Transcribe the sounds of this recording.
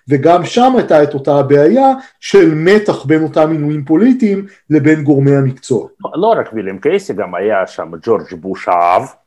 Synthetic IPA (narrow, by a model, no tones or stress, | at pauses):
ve̞ɡamʃamajtaeto̞tabeajaʃe̞lme̞taχbe̞no̞tamːinujimpo̞litiːm | le̞be̞nɡo̞ʁmejhamikt͡so̞aoloɾakbilemkejseɡamajaʃa̰md͡ʒoɾd͡ʒbuʃa̰a̰v